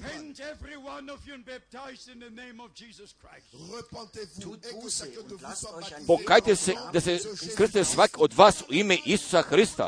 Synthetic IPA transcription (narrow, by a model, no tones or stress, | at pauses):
pʰɛnɛvɹiwãnɔvunbæp̚tʰaɪzdɪ̃nðənẽɪ̃mɔvd͡ʒizəskʰɹaɪ | pokajt̪esed̪asekr̩sit̪esʋakiod̪ʋaːsuimeʔisu̥saxɾist̪a̰